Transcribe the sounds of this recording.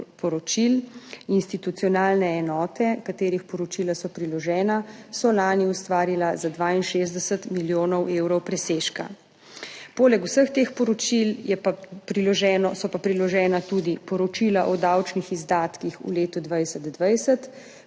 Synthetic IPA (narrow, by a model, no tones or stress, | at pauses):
pɔɾɔt͡ʃilinst̪it̪ut̪siɔnaːlnɛːnɔːt̪ɛkat̪eːɾixpɔɾɔt͡ʃiːlasɔpɾilɔʒɛːnasɔlaːniust̪ʋaːɾilazad̪ʋainʃeːzd̪ɛsət̪miljoːnɔwʔewɾɔwpɾɛseʃka̰ | poːlɛkusəxt̪eːxpɔɾɔt͡ʃiljɛpapɾilɔʒɛːnɔsɔpapɾilɔʒɛːnat̪ud̪ipɔɾɔt͡ʃilaʔɔd̪awt͡ʃnixizd̪aːt̪kixṵleːt̪ud̪ʋajsəd̪d̪ʋajsət̪